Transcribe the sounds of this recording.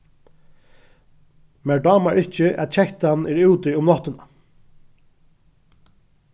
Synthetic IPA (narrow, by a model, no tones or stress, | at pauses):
mɛɹɖɑːmaɹɪht͡ʃəʔæ̰t̪t͡ʃʰɛht̪anːɛɹʉwt̪ɪʊmlɔht̪ɪna